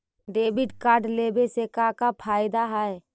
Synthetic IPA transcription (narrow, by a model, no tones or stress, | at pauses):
ɖeːbɪɖkaːɾɖleːbesekakapʰaːɪd̪aɦae